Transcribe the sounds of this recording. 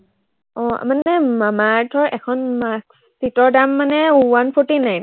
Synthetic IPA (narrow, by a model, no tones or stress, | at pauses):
ɔ̃a̰manɛmamaɹtʰɔɹʔɛkʰɔnmaks | titɔɹdamːanɛwanpʰɔɹtinajn